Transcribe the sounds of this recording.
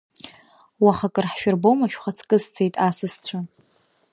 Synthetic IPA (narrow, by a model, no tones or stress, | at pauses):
waχakʼɨrħʃᶣʊrbowmaʃᶣχat͡sʰkʼɨzt͡sʰejtʼasɨst͡ɕʷʰa